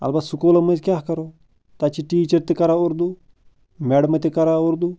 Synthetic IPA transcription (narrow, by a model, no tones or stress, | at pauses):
ɐ̰lbad̪sukoːlɐmɐnd͡ʒʲkʲaːɦkɐɾoː | t̪at͡ʃiʈiːt͡ʃɐɾt̪ekɐɾaoɾd̪uː | mɛɽəmɐt̪ekɐɾaoɾd̪uː